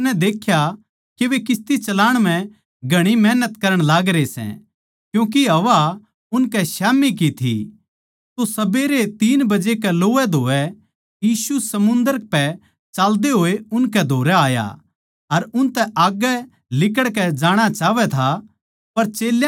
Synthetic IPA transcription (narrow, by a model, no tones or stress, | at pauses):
nɛd̪eːkʰja | keʋekɪst̪it͡ʃɐlaːɽ̃m̤ɛ̃ | ɡʱɐɽ̃imɛːnət̪kɐɾəɽ̃laːɡɾesɛ̰̃ | kjũːk̬iɦɐʋa | ʊnkɛsaːmik̬it̪ʰḭ | t̪osɐbeɾet̪iːnbɐd͡ʒekɛloːɛd̪ʱoːɛ | jiːsusɐmʊ̃nd̪əɾpɛ | t͡ʃaːld̪eɦoːeʊnkɛd̪ʱoːɾɛaːja̰ | ɐɾʊnt̪ɛʔaːɡɛ | lɪkəɽkɛd͡ʒaːɽ̃at͡ʃaːʋɛt̪ʰa | pɐɾt͡ʃeːl